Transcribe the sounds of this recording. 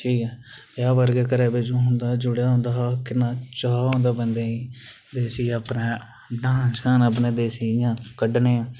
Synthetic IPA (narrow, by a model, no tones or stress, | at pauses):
ʈʰiːkɛːbjaːʋəɾɡeːkəɾeːbeːd͡ʒõːɦʊnd̪aːd͡ʒʊɽejaːɦʊ̃nd̪aːɦaːkɪnːãːt͡ʃaːõːnd̪aːbənd̪eːiː | d̪eːsiːaːpnẽː | ɖãːnskaːnəp̬nẽːd̪eːsiːjãːkəɖneː